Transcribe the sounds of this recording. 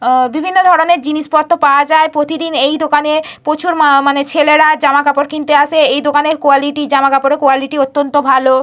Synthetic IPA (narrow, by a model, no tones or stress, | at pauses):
bibʱinːod̪ʱɔɾoneɾd͡ʑiniʃpɔɾt̪ʰopaoad͡ʑaepɾot̪id̪inejd̪okanepot͡ɕʰuɾmanet͡ɕʰeleɾad͡ʑamakapoɾkʰint̪eaʃeejd̪okaneɾkoaliʈid͡ʑamakapoɾekoaliʈiot̪ːont̪obʱalo